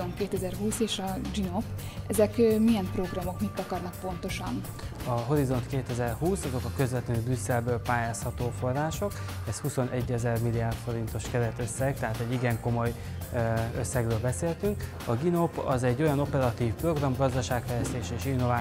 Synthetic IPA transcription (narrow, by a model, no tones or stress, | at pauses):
onkeːt̪ɛzɛrɦuːseːʃɒd͡ʒino̞p | ɛzɛkmijɛmpro̞ɡrɒmo̞kmit̪ːɒkɒrnɒk̚po̞nt̪o̞ʃɒn | ɒɦo̞ɾizo̞nt̪keːt̪ɛzɛrhuːsɒzo̞kɒkø̞zvɛt̪løb̪rysːɛlbøːlpaːjaːshɒt̪oːfo̞rːaːʃo̞k | ɛshuso̞nʔɛɟːɛzɛrmilijaːrt̪fo̞ɾint̪o̞ʃkɛɾɛt̪ø̞sːɛɡ̥̚t̪ɛɦaːt̪ɛɟːiɡɛŋko̞mo̞j | øsːɛɡrøːlbɛseːlt̪yŋk | ɒɡino̞pːɒzɛɟːo̞jɒno̞pɛɾɒt̪iːfpro̞ɡrɒmɡɒzd̪ɒʃaːkfɛjlɛst̪eːʃɛeːʃinːo̞vaː